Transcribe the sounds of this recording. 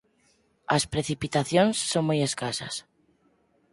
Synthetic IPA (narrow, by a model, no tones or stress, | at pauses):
aspɾeθipit̪aθjõnsːoŋmojeskasa̰s